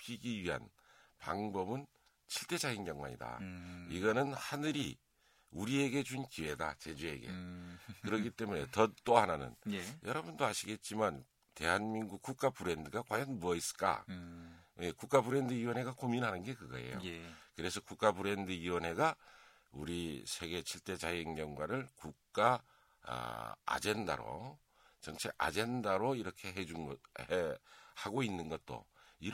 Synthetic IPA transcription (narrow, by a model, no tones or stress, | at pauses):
pʰiɡiɥiɦa̰n | pa̰ŋbʌbɯn | t͡ɕʰiɭt͈e̞d͡ʑainɡjaŋwa̰ɲḭda̰iɡʌnɯnhanɯɾi | uɾie̞ɡe̞t͡ɕunkiwe̞da̰t͡ɕe̞d͡ʑue̞̰ɡe̞̰kɯɾʌkit͈e̞mune̞tʌt͈oɦananɯ̰njʌɾʌbundoaɕʰiɡe̞t̚t͡ɕ͈iman | te̞ɦanmiŋɡuk̚k͈uk̚k͈apɯɾe̞ndɯɡakwajʌnmuʌis͈ɯ̥k͈a̰ | jekuk͈abɯɾe̞ndɯiwʌnɦe̞ɡakominɦanɯnɡe̞kɯɡa̰e̞̰jo̰jkɯɾe̞sʰʌkuk͈abɯɾe̞ndɯiwʌnɦe̞ɡa | uɾisʰe̞ɡe̞t͡ɕʰiɭt͈e̞t͡ɕajiŋɲʌŋɡwaɾɯɭkuk̚k͈a̰ | d͡ʑe̞nda̰ɾo̰ | t͡ɕʌŋt͡ɕʰea̰d͡ʑe̞ndaɾoiɾʌkʰe̞ɦed͡ʑunhehaɡoinːɯnɡʌt̚t͈o̰iɾ